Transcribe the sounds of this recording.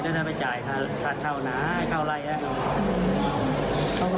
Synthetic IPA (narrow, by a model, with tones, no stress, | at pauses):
daː˧˩da˧˩pa˧jt͡ɕaː˨˩jt̪ʰa˧˩t̪ʰa˧˩t̪̚k̪ʰa˧˩wnaː˨˦˥kʰa˧˩wla˧˩jʔa˧˩˧